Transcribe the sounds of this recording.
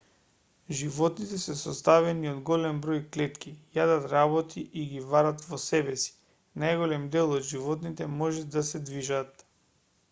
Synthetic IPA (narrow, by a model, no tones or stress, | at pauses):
ʒivɔt̪nit̪ɛsɛsɔst̪avɛniod̪ɡɔlɛmbɾojklɛt̪kijad̪at̪ɾaβɔt̪ʰiʔiɡibaɾat̪vɔsɛbɛsi̥ | najɡolɛmd̪ɛlˠɔd̪ʒivɔt̪nit̪ɛmɔʒɛd̪asɛd̪viʒat̪